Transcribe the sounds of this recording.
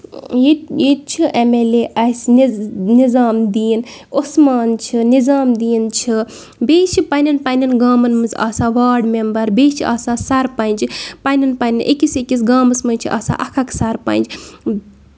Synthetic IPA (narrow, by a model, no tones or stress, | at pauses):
jjet̪̚t͡ʃʰiʔemeleʔɐsnnizaːmd̪iːnosmaːnt͡ʃʰinizaːmd̪iːnt͡ʃʰi | beːt͡ʃʰipɐnʲɐnpɐninɡaːmɐnmɨza̰ːsaːʋaːɾɖmembɐɾbeːt͡ʃʰiʔa̰ːsaːsaɾpɐnd͡ʒipɐninpɐninʔekisekʲis̬ɡaːmɐsmɐnʲt͡ʃʰiʔa̰ːsa̰ːʔɐkʰaksaɾpɐ̰nʲd͡ʒ